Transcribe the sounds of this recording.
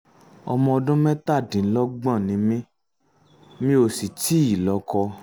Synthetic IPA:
ɔ˧mɔ̃˧ɔ˧dũ˦mɛ̃˦ta˦˨dĩ˨n˦lɔ˦ɡ͡bã˦˨nĩ˨˦mĩ˦ | mĩ˧˦o˨si˨ti˦i˨lɔ˨˦kɔ˧

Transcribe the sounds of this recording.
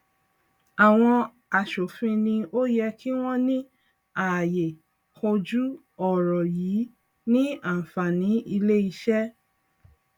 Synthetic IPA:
a˨w̃ɔ̃˧ | a˨ʃo˨fĩ˧nĩ˧o˦jɛ˧kʰi˦w̃ɔ̃˦nĩ˦ | a˨je˨ | ho˧d͡ʒu˦ | ɔ˦˨ɾɔ˨jiː˨˦ | nĩ˦ã˦˨fa˨nĩ˨˦ʔi˧le˦i˧˦ʃɛ˦

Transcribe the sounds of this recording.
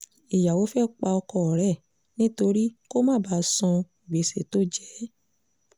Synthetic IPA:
i˨ja˨wo˨˦fɛ˦k͡pa˧ɔ˧kɔ˧ɔ˨ɾɛ˦˨ | nĩ˦to˧ɾi˦ko˦mã˦˨ba˨˦sɔ̃˧i˨be˨˦se˨to˦˨d͡ʒɛ˨˦

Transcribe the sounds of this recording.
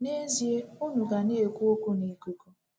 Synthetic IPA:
ne˦zje˦ʊ˦nu˨ɡa˨ne˦e˨kʷu˦o˦ku˦ne˨ku˨ko˦

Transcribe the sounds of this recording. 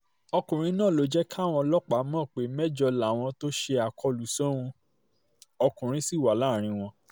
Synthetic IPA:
ɔ˧kũ˨ɾ̃ĩ˧˦nãː˦˨lo˨˦d͡ʒɛ˦kʰa˦˨w̃ɔ̃˧lɔ˦k͡pa˨˦mɔ̃ː˦˨k͡pe˨˦mɛ˦d͡ʒɔ˧la˨w̃ɔ̃˧to˦ʃe˧a˨kʰɔ˧lu˨˦so˦ũ˧ | ɔ˧kũ˨ɾ̃ĩ˦si˦˨wa˨laː˦˨ɾ̃ĩ˧w̃ɔ̃˧

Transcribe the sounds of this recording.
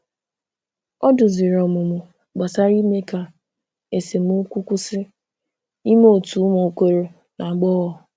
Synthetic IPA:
ɔ˦dʊ˨zi˨ɾɔ˨mʊ˨mʊ˨ | ɡ͡ba˨sa˦ɾi˦me˦ka˨ | e˨se˨mu˦kʷu˦kʷu˦sɪ˦ | i˦m˦o˦˨tu˨˦mo˨kʷe˦ɾo˨ | na˨ɡ͡bɔː˦ɣɔ˨

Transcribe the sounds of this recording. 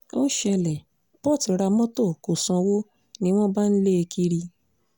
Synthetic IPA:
o̰˦ʃɛ˧lɛ˨ | pɔ˦˨ti˨˦ɾa˧mɔ̃˦to˦˨ko˨sɔ̃˧wo˦ | nĩ˦w̃ɔ̃˦ba˦n̩˦le˦e˧kʰi˧ɾi˧

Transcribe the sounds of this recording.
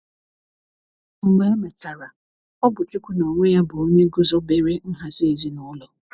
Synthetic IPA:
ŋ͡m̩˨ɡ͡be˨e˦me˨ta˨ɾa˨ | ɔ˦bʊ˨t͡ʃɪ˦kʷʊ˦nɔ˨ŋʷe˦ja˦bʊ˨o˦ɲe˦ɡʊ˦zɔ˦be˦ɾe˦n̩˦ɦa˦sɪ˦e˨zi˦nʊ˨˦lɔ˨

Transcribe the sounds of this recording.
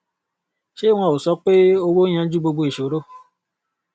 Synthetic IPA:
ʃe˦w̃ʷã˧˨o˨sɔ˦k͡pe˦o˦˧wo˦j̃ã˧˦d͡ʒu˦ɡ͡bo˧ɡ͡bo˧˦i˨ʃo˨ɾo˦

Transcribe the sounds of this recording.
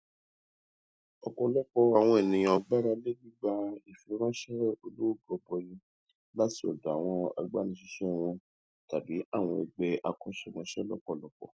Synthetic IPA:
ɔ˨kɔ˨˧lɔ˦kɔ˧a˨w̃ɔ̃˧e˨nĩ˨jɔ˧ɡ͡ba˦ɾa˦le˦bi˦ɡ͡ba˧i˨fi˨˦ɾã˦ʃɛ˦o˧lo˦o˦˨ɡɔ˨˧˨bɔ˧jĩ˧ | la˦ti˦ɔ˨da˨w̃ɔ̃˧a̰˧ɡ͡ba˦nĩ˧ʃi˧ʃɛ˦˨w̃ɔ̃˧ | ta˨bi˨˦a˦˨w̃ɔ̃˧e˨ɡ͡bɛ˧ʔa˧kɔ̃˦ʃɛ˦˨mɔ̃˧ʃɛ˦lɔ˦kɔ˦˨lɔ˧kɔ̰˦˨

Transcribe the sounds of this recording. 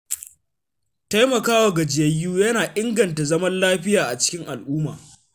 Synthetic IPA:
ta˦jmɐ˨kaː˦wa˨ɡɐ˨d͡ʒɪ˨jɐ˦jːuː˦jɐ˦naː˨ʔɪ˦ŋɡɐ˨nta˨zɐ˦mɐ˦nlaː˦ɸɪ˦jaː˨ʔa˨t͡ʃɪ̥˦kʲɪ˦ŋʔa˨lʔuː˦ma̰ː˨

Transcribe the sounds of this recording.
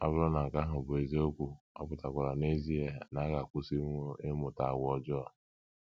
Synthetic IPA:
a̰˦bʊ˦ɾɔ˦na˨ŋ̩˨ka˦ɦʊ˨bʊ˨e˨ze˦o˦kʷu˨ | ɔ̰˦pʊ˨ta˨kʷa˨ɾa˨ne˦zi˦e˨na˨˦ɣa˨kʷʊ˦si˦e˦mʊ˨ta˨a˨wɔ˦d͡ʒɔ˦˨

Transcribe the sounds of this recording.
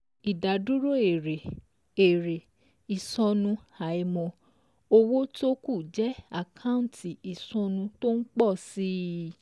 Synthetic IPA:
i˨da˨du˦ɾo˦˨e˨ɾe˨ | e˨ɾe˨ | i˨sɔ̃˧nũ˧ha˨i˧mɔ̃˧ | o˧wo˦to˦ku˦˨d͡ʒɛ˦a˦˨kʰã˦ũ˦˨tʰi˨i˨sɔ̃˧nũ˧to˦n̩˦k͡pɔ˦˨si˦

